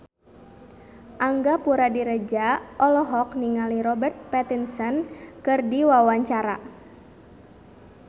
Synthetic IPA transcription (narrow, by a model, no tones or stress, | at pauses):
ʔaŋɡapuɾadiɾəd͡ʒaʔɔlɔɦɔkniŋaliɾɔbərt̪̚pɛt̪insənkɨrdiwawaɲt͡ʃaɾa